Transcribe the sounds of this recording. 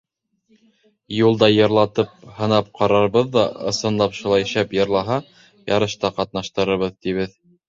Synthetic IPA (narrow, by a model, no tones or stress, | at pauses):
julˠd̪ɑjɤ̆ɾlˠɑt̪ɤp̚hɤ̆nɑp̚qɑɾɑɾβɤðːɑɤ̰̆sɤ̆nlˠɑpʃulˠɑj̆ʃæpjɤ̆ɾlˠɑɦɑ | jɑɾɤ̆ʃt̪ɑqɑt̪̚nɑʃt̪ɤ̆ɾɤ̆βɤðt̪iβɘð